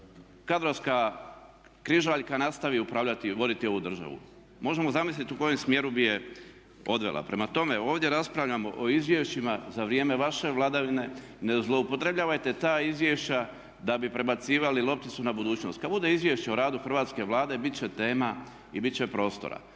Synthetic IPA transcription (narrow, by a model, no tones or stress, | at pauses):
kad̪ɾoska | kɾiʒaʎkanast̪aʋiupɾaːʋʎat̪iʋo̞d̪it̪io̞ʋud̪r̩ʒa̰ʋṵ | mo̞ʒe̞mo̞zamislit̪uko̞jemsmje̞ɾubije | o̞d̪ʋe̞̰lˠʔa̰pɾe̞mat̪o̞me̞o̞ːʋd̪jeɾaspɾaʋʎamo̞̰ʔoizʋje̞ʃt͡ɕimazaʋɾije̞ːme̞ʋaʃe̞ʋlˠad̪aʋine̞ | nezlˠo̞upo̞t̪ɾe̞bʎaːʋajt̪e̞t̪aːizʋje̞ʃt͡ɕa | d̪abipɾe̞bat̪siːʋalilˠo̞p̚t̪it̪sunabud̪uːt͡ɕno̞st̪̚kad̪bud̪e̞izʋje̞ʃt͡ɕeoɾaːd̪uxr̩ʋaːt̪ske̞ʋlˠaːd̪e̞bit̪t͡ɕet̪e̞ːma | ibit̪t͡ɕepɾo̞ːst̪o̞̰ɾa̰